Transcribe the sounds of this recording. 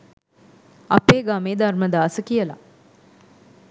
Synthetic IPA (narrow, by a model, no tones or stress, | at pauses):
ɐpeːɡaːmeːd̪arməd̪aːsəkijəla̰